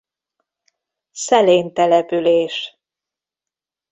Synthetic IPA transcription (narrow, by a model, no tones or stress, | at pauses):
sɛleːnt̪ɛlɛpyleːʃ